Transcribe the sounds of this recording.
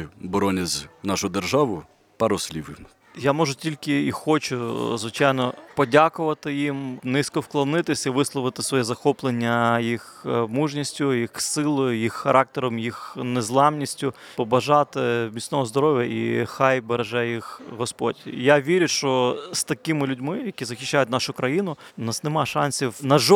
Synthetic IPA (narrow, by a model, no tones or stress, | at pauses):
bɔɾɔnʲɐzʲnɑʃʊjd̪erʒɑʋʊ | pɐɾɔsʲlʲiʋɪm | jamɔʒʊtʲilʲkɪixɔt͡ʃʊzʋɪt͡ʃajnɔpɔdʲakʊʋɐt̪ɪjimnɪsʲkɔwklˠɐnɪt̪ɪsʲɐiʋɪslˠɔʋɪt̪ɪ̥sʋɔjɛzɐxɔplˠenʲːɐjixmuʒnʲisʲtʲʊjixsɪlˠɔjʊjixːɐɾʔɑk̚t̪eɾɔmjixnezlˠɑmnʲisʲtʲʊ | pɔbɐʒɑt̪ɪmʲit͡sʲnɔɦɔzd̪ɔɾɔʋʲjɐʔḭxɑjbeɾeʒɛjixɦɔspɔ̰dʲjaʋʲiɾʲʊʃt͡ʃɔst̪ɐkɪmɪlʲʊdʲmɪjɐkʲizɐxʲiʃːajʊtʲnɑʃʊkɾɐjinʊnɑsnemɑʃɑnʲsʲiwnɐʒɔ